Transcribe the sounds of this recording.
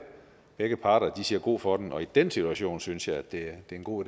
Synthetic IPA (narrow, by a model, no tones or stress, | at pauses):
b̥eɡ̥əpʰɑ̈ːɾ̥ɐd̥isiɐɡ̥o̝̰ːfɒ̽d̥mʔɒ̽id̥ensit͡suæɕo̝̰ːnsynsjɑ̈ɪæd̥e̝d̥e̝enɡ̥o̝̰ːi